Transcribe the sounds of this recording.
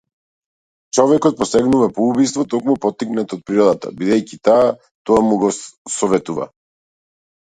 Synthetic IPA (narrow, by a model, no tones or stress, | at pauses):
t͡ʃɔvɛkɔt̪̚pɔsɛɡnuvapɔubist̪vɔt̪ɔkmupɔt̪ːiknat̪ɔt̪̚pɾiɾɔd̪at̪a̰bid̪ɛjcit̪aː | t̪ɔamuɡɔsɔvɛt̪uva̰